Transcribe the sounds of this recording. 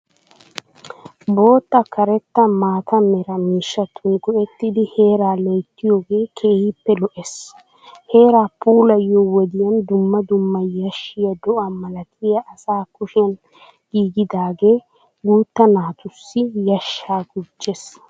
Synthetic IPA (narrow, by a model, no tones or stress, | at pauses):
bo̞ːt̪ːɐkʰɐɾɛt̪ːɐmaːt̪ɐmɛɾɐmiːʃːɐt̪ʊnɡɔʔɛt̪ːɪd̪ɪhe̞ːɾaːlejt̪ːɪjo̞ːɡe̞ːkʰeːhɪpːɛlɔʔɛs | he̞ːɾaːpuːlɐjːɔwɔd̪ɪjɐnd̪ʊmːɐd̪ʊmːɐjɐʃːɪjɐd̪ɔʔɐmɐlɐt̪ʰɪjɐʔɐsaːkʊʃɪɐn | ɡiːɡɪd̪aːɡe̞ː | ɡuːt̪ːɐnaːt̪ʊsːɪjɐʃːaːɡʊd͡ʒːes